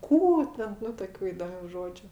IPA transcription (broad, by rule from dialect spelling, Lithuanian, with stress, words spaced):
ˈkuː tʲɛn ˈnʊ toːˈkʲuː iːdoːˈmʲuː ˈʒoːd͡ʒʲʊ